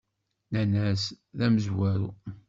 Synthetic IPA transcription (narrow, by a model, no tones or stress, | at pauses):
nænæs | ðæməzwæɾṵ